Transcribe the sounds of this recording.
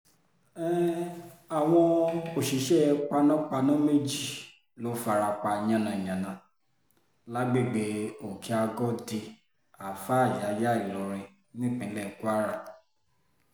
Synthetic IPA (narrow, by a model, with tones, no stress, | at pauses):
ɛ˦ | a˨w̃ɔ̃˧o˨ʃi˨˦ʃɛ˦k͡pa˧nã˦k͡pa˧nɔ̃˦me˦˨d͡ʒi˦˨ | lo˨˦fa˧ɾa˧k͡pa˧j̃ã˦˧˨nã˧˨jã˨nã˨ | la˦ɡ͡be˦˨ɡ͡be˧˦o˨kʰi˨˦a˧ɡɔ˦di˧ | a˨fa˦˨ja˨˦ja˦i˨lɔ˨ɾ̃ɛ̃˧ | nĩ˦k͡pĩ˨˦lɛ˦˨ku˦a˦ɾa˦˨